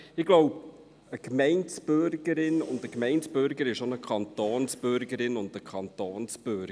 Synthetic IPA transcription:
ɪɡloʊp | əkmɛɪnsb̥ʏɾɡ̥əɾɪnʊ̰ndəkmɛɪntsb̥ʏɾɡəɾɪʃonəkʰχɑntoːnsb̥ʏɾɡəɾɪnʊndəkʰɑntoːnsb̥ʏɾɡ

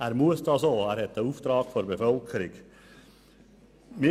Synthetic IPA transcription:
æːɾmuəsdɑsoːæːɾhɛt̪əuːft̪ɾɑːɡ̥foɾbefœlkʰəɾɪɡ | mi

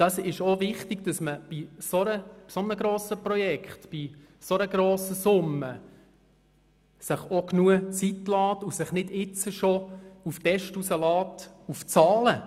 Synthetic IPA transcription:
d̥ɑsɪʃovɪχtiɡ̥d̥ɑsməb̥isoɾə̥sonəɡɾoːsəprɔjɛkχtb̥i | sonəɡɾoːsəsʊmːə | sɪχoknuət͡sitlɑːtusɪχnɪdɪt͡səʃouftɛʃtusəlɑːtuft͡sɑːlə

